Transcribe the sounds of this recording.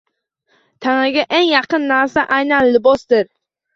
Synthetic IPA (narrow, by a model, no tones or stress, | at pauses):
t̪ʰaŋɪɡʲaʔeŋjɑqʰɨnːaɾsaʔajnanlɪbɒsd̪ɪɾ